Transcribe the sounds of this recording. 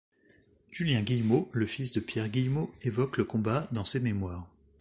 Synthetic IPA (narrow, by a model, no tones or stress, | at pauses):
ʒ̥yljɛ̃ɡʲijmoləfisd̪əpjɛʁɡʲijmoevɔkləkɔ̃bad̪ɑ̃sememwaːʁ